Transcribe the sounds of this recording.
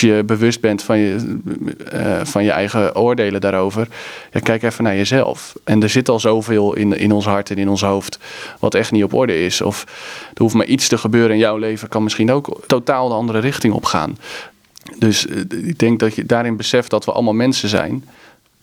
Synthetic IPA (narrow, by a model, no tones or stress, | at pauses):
jəbəʋʏst̚bɛntfɔnə | fɑnjəʔɛ̰jɣəʔoːɹdeːlədaːɾowvərjakɛjkɛfənaɹjəzɛ̰lˠfʔɛndəɹzɪtɔlˠzowvɪːlˠɪ̰nɪ̰nɔnsɦɑɹtɛnɪnɔnsɦowftʋɑ̰tɛxtniɔpɔ̰ɹdəɪsɔ̰fd̥əufmaɹʔitstəχəbøːɾəɪnjɔwlejvəkɑnmɪsχiənowktotaːlˠdəɑndəɾəɾɪxtɪŋɔ̰pχa̰ːn | døsɪɡ̚dɛŋk̚dɔtjədaːɾɪnbəsɛft̚dɔtʋəʔɑ̰lˠmalˠmɛnsəzɛ̰jn